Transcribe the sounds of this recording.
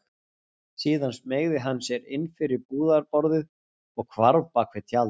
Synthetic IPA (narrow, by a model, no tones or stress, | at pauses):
siːðansmejɣðɪɦanːsjɛɾɪnfɪɾɪɾpuːðaɾpɔɾðɪð | ɔɣkʰvaɾðpakʰvɪt̪ʰjal